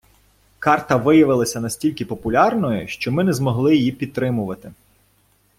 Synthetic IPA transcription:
kɑrt̪ɐʋɪjɐʋɪlˠɐsʲɐnɐsʲtʲilʲkɪpɔpʊlʲɑrnɔjʊʃt͡ʃɔmɪnɛzmɔɦlˠɪjjipʲid̪t̪̚t̪ːɾɪmʊʋɐt̪ɪ

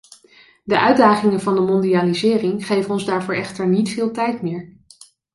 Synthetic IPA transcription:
dəʔœɥdaːχɪŋənvɑndəmɔndiaːlizɪːrɪŋχejvənɔnzdaːɹvʊːɹɛχtəɹnitfɪːlˠtɛjtmɪːɹ

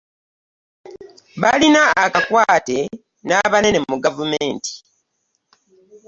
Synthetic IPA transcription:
βalinaːkakwaːte̞ | naβane̞nemmuɡavumeːnti̥

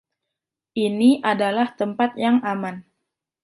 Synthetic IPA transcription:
ʔiniʔadalaht̪əmpat̪̚jaŋaman

